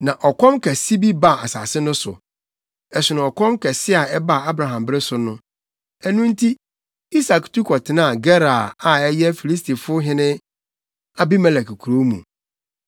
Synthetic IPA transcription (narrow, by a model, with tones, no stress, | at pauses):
nã˨ʔɔ˨kʰɔ̃˦mkʰɛ˨si˦bi˦ba˦˨a˨sa̰ː˨sɪ˦nʊ̃˦sʊ̰˨ | ɛ˨sɪ˨nã˨ɔ˨kʰɔ̃˦mkʰɛ˨sɪ˦a˨ɛ˦ba˨a˦bɾa˨ɦã˨mbɪ˦ɾɪ˦sʊ˨nʊ̃˦ | ɛ˦nũ˦n̩˦tʰi˦ | i˦sa˨ktʰu˦kʰɔ˨tʰɪ˨nã˦˨ɡɛ˦ɾa˨a˨ɛ˦jɛ˦fi˨li˦s̬tʰi˨fʊ˦ɦɪ̃˦nɪ̃˦ | a˨bi˦mɛ˦lɛ˨kkʰu˨ɾo˦mṵ̃˨